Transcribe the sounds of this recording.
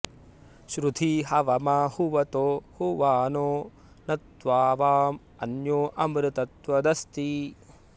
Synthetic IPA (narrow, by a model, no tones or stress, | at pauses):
ʃɾud̪ʰʱiɦɐʋɐmɐhuʋɐt̪oːhuʋaːnoː | nɐt̪ʋaːʋaːm | ɐnjoːʔɐmɾɪt̪ɐt̪ʋɐd̪ɐst̪i